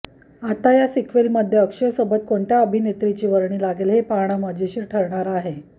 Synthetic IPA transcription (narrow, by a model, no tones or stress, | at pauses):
at̪ajasikʰʋelməd̪ʱjeəkʂəjsəbət̪koɳʈ̪ʰjaəbʱinet̪ɾit͡ɕiːʋəɾɳiːlaɡelɦepaɳ̃aməd͡ʑʱeɕiːɾʈʰəɾɳaɾaaːɦe